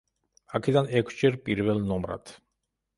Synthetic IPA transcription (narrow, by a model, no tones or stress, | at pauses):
akʰɛd̪anɛkʰsd͡ʒɛɾpʼiɾvɛlˠnɔmɾa̰d̪̥